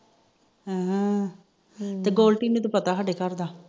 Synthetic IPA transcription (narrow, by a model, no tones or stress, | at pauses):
ɦə̃ːɦə̃ | t̪eːɡoːlʈiːneːt̪õːpət̪aːsaːɖeːkəɾd̪aː